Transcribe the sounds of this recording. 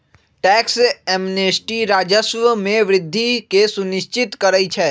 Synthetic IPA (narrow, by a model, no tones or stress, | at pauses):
ʈɛksɛmnesʈiɾaːd͡ʒəsʋəmẽʋɾɪd̪ʱːikesʊnɪʃt͡ʃɪt̪kəɾəit͡ʃʰɛ